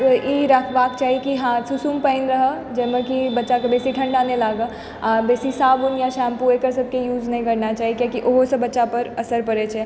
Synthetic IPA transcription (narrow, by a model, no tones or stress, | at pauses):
iɾəkʰbaːkt͡ʃaːɦikiɦãsusuːmpə̃ɪnɾəɦə | d͡ʒɛmekibɐtːʃakebeːsiʈʰə̃ɳɖanẽlaːɡə | aːbeːsisaːbunjaʃãːmpuekəɾsəb̚kejuːd͡ʒnəɦĩkɐɾnat͡ʃaːɦikakiʔoɦosəbɐtːʃapəɾɐsəɾpəɾet͡ʃʰɛ